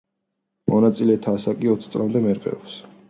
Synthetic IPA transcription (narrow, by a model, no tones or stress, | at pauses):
mɔnat̪sʼilɛt̪ʰaːsakʼiɔt̪sʰt̪sʼlamd̪ɛmɛɾqʼɛ̰ɔps